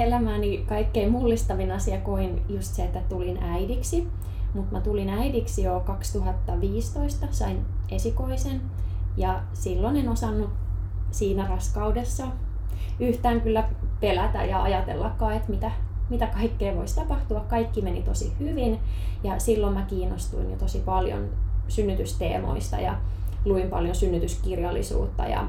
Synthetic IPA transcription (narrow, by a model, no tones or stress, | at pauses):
elæmæːnikɑikːeimulːist̪ɑʋinɑsiɑkoinjust̪seet̪ːæt̪ulinæidiksi | mut̪mæt̪ulinæidiksijokɑkst̪uhɑt̪ːɑʋiːst̪oist̪ɑsɑinesikoisen | jɑ | silːonenosɑnːut̪ | siːnærɑskɑudesːɑ | yht̪æːŋkylːæpelæt̪æ̰jɑɑjɑt̪ḛlːɑkːɑːet̪mit̪æmit̪ækɑikːeːʋoist̪ɑpɑht̪uɑkkɑikːimenit̪osihyʋinjɑsilːommækiːnːost̪ṵinjot̪osipɑljo̰nsynːyt̪yst̪ḛːmo̰ist̪ɑ̰jɑ̰luimpɑljonsynːyt̪yskirjɑlːḭsṵːt̪ːɑ̰jɑ̰